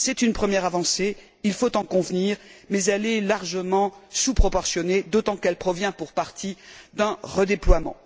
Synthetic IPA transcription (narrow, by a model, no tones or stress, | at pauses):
sɛt̪ynpχəmjɛʁavɑ̃se | ilfot̪ɑ̃kɔ̃vniʁmɛzɛlɛlaʁʒəmɑ̃supχɔpɔʁsjɔned̪ot̪ɑ̃kɛlpχɔvjɛ̃puʁpaʁt̪ʰid̪ɛ̃ʁəd̪eplwamɑ̰̃